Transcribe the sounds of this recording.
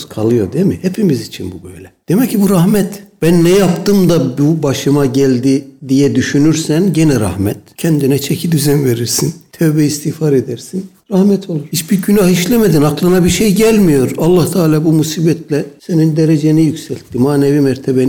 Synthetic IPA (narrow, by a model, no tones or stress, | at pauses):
kʰalˠɯjo̞d̪emihepʰimizit͡ʃʰḭnbubø̰jlʲɛd̪̥emɛcʰːibuɾahmɛt̪b̥ænːɛjapt̪ɯmd̪abubaʃɯmaɟælʲd̪id̪ijɛd̪yʃynyɾsænɟenɛɾa̰hmɛt̪cʰɛnd̪inɛt͡ʃʰɛcʰid̪yzɛnve̞ɾiɾsint̪ʰøvbɛist̪ʰihfaɾed̪æɾsin | ɾahmɛt̪ʰo̞lˠuɾ̥hit͡ʃbiɾɟynahiʃlʲɛmed̪inaklˠanabiɾʃejɟælʲmijo̞ɾalˠːaht̪ʰaːlʲaːbumusiːbɛt̪ʰlʲɛse̞nind̪eɾed͡ʒenijycsælʲt̪ʰːimaːnevimɛɾt̪ʰeben